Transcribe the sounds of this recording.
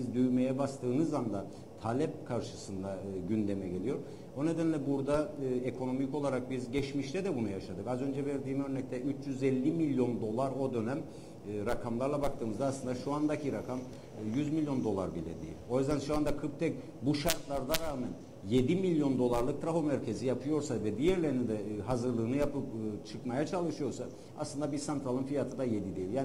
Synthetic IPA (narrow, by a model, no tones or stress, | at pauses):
izd̪yjmejɛbast̪ʰɯːnɯzand̪a | t̪ʰalʲɛp̚kʰaɾʃɯsɯnd̪aɟynd̪emɛɟe̞lʲijo̞ɾɾ | o̞ne̞d̪ænlʲɛbuɾd̪aːekʰo̞no̞miko̞lˠaɾak̚bizɟɛt͡ʃmiʃt̪ʰɛd̪ɛbunujaʃad̪ɯkazø̞nd͡ʒɛvɛɾd̪iːmø̞ɾnɛc̚t̪ʰɛyt͡ʃjyzɛlʲːimilʲjo̞nd̪o̞lˠaɾo̞d̪ø̞næmː | ɾakʰamlˠaɾlˠabak̚t̪ʰɯːmɯzd̪aslˠɯnd̪aʃuand̪acʰiɾakʰam | jyzmilʲjo̞nd̪o̞lˠaɾbilʲɛ̰d̪ḛjḭlʲo̞jyzd̪ænʃuand̪akʰɯp̚t̪ʰɛc̚ | buʃaɾt̪lˠaɾd̪aɾaːmæn | je̞d̪imilʲjo̞nd̪o̞lˠaɾlˠɯkt̪ʰɾaɦo̞mæɾcʰe̞zijapʰɯjo̞ɾsavɛd̪ijɛɾlʲeɾnind̪ɛɦazɯɾlˠɯːnɯjapɯp̚ːt͡ʃʰɯkmajat͡ʃʰalˠɯʃɯjo̞ɾsa | a̰slˠɯnd̪abiɾsant̪ʰɾalˠɯmfijat̪ʰɯd̪aje̞d̪id̪e̞jilʲjaː